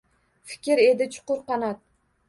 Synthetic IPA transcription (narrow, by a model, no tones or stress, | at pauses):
fɪ̥kʲɪɾe̞d̪ɪt͡ʃʰʊ̥qʊɾqɑnat̪